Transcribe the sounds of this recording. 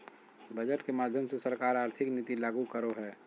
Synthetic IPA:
bʱɐd͡ʒəʈkemaːd̪ʱjəmsesɐɾkaːɾaːɾt̪ʰɪknɪt̪ilaːɡukəɾoɦɛː

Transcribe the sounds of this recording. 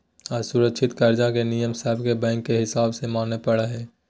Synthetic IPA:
ɔɾsʊɾəkʃʰɪt̪kaɾd͡ʒakenijəmsaːɦɪbkebɛ̃ːŋkːeɦɪsaːbsemaːnepəɽeɦɛː

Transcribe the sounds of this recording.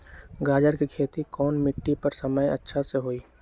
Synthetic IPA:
ɡaːd͡ʒəɾkikʰeːt̪ikɔːnmɪʈːipəɾsəməjə̰tːʃʰaseɦoːiː

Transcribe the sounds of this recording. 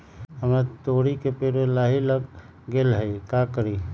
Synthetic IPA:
həmɾat̪oːɽikepeɾelaːɦiləɡ | ɡelɦəikakəɾi

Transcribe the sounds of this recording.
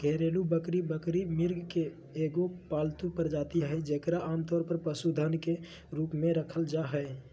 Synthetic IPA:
ɡʱɛɾeːlubəkɾibəkɾimɪɾɡʱkeː | ɡopaːlt̪upəɾd͡ʒaːt̪iɦɛed͡ʒekɾaʔaːmt̪ɔːɾpəɾpəsud̪ʱənke | ɾuːpmẽɾəkʰəld͡ʒaɦɛe

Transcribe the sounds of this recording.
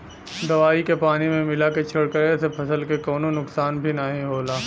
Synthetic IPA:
d̪ɐʋaːikepaːnimẽmɪlaket͡ʃʰɐɽkəɾesepʰɐsəlkekɔːnonʊksaːnbʱinəɦĩɦoːlaː

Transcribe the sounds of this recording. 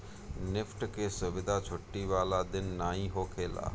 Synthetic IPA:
nɪfʈkesʊʋɪd̪ʱat͡ʃʰʊʈːiʋaːlad̪ɪnːaːɦĩɦoːkʰeːla̰ː

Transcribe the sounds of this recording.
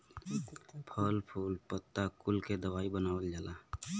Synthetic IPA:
pʰəlpʰuːlpət̪ːakʊlked̪əʋaːibənaːʋəld͡ʒaːlʔaː

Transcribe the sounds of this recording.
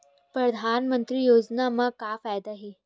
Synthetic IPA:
pɾəd̪ʱanmənt̪ɾiːjod͡znamaɡkafajd̪aɦe

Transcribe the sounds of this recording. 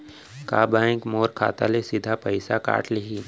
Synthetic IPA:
kaːbaːɪ̃kmoːɾkʰa̰ːt̪a̰lesɪd̪ʱapəɪsaka̰ːʈʰliɦiː

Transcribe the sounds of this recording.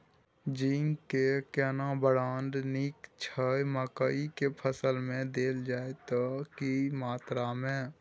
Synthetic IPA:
d͡ʒiːŋkekɛːnabəɽaːnd̪niːkt͡ʃʰəeməkaikepʰəsəlmẽd̪eːld͡ʒaːet̪okimaːt̪ɾamẽ

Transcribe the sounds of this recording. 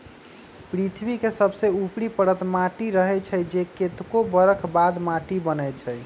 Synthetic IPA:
pɾit̪ʰbikesəbseupɽipəɽət̪maʈiɾəɦɛt͡ʃʰəjd͡ʒeket̪kobəɾəkʰbad̪maʈibənɛt͡ʃʰəj

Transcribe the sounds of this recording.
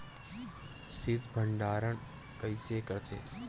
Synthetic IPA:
sɪd̪ʱbʱəɳɖaːɾəɳ | kəjsekəɾt͡ʃʰḛ

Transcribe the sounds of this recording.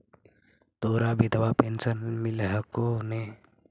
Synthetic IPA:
t̪oːɾabid̪ʱʋapeːnsənmɪlɦəkone

